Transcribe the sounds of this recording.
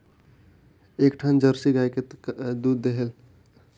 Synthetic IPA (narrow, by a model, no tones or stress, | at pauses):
eːkʈʰand͡ʒəɾsiɡajked̪ud̪ːeɦel